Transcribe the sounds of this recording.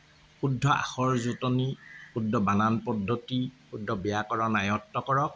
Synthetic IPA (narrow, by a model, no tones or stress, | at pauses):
xudʱːɔʔa̰xɔɹzutɔnixudʱːɔbananpɔdʱːotixudʱːɔbɛjakɔɹɔnajɔtːɔkɔɹɔk̚